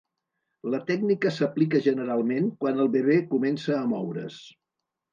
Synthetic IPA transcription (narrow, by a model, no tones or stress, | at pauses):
lət̪ɛɡ̚nikəsəplikəʒənəɾalˠmeŋkwanəlˠβeβ̞ekumɛnsəːmɔwɾə̰s